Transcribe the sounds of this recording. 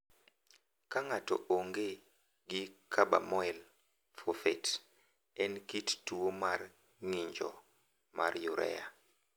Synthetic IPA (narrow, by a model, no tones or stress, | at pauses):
kaŋatɔ̰ʔoŋɡe | ɡɪkʰaba̰mɔɛl | fofɛt | ɛnkittuomar | ŋiɲd͡ʒɔ̰ | ma̰rjuɾʔɛ̰ja̰